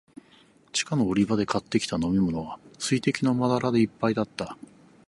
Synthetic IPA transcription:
t͡ɕi̥kano̞ːɾʲibad̪e̞kat̪ːe̞kʲi̥t̪ano̞mʲimo̞no̞βasɨit̪e̞kʲinamad̪aɾʔad̪e̞ipːaid̪at̪ːa

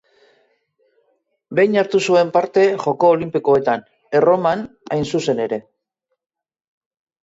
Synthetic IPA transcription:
be̞jɲaɾt̪usue̞mpaɾt̪e̞ʝo̞ko̞ːlimpiko̞e̞t̪an | ero̞man | a̰jnsuse̞ne̞ɾe̞

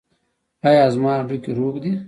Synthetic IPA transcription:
ɑjɑzmɑːɖukiɾobd̪i

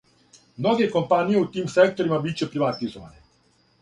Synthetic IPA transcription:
mnoɡejeko̞mpanijeut̪iːmsek̚t̪oɾimabit͡ɕepɾiʋat̪izoʋa̰ne

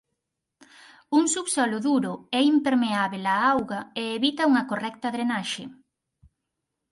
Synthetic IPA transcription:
uŋsuβsɔloðuɾʊɛimpeɾmeaβelaawɣɐeːβit̪ɐuŋɐkorɛk̚t̪ɐaðɾenaʃe

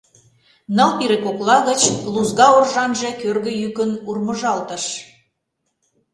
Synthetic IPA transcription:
nəlpiɾekoklɑɣə̆t͡ɕluzɣɑorʒɑnʒe̽kørɣə̆jykənurmə̆ʒɑlt̪ə̆ʃ

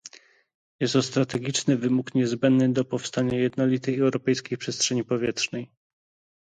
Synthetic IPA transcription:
jɛst̪ɔst̪ɾat̪ɛɡʲit͡ʂnɘvɘmukɲɛzbɛnd̪nɘd̪ɔpɔfst̪aɲajɛd̪nɔlʲit̪ɛjɛwɾɔpɛjskʲixpʂɛstʂɛɲipɔvʲjɛtʂnɛj

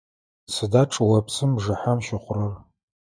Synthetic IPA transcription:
sɨdaːʈ͡ʂʼwɐpʰsɨmʐɨħamʃɪχʷʊrɐr

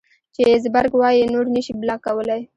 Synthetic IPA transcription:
t͡ʃezbaɾɡwɑjinoɽnaʃiblɑkawəlaj

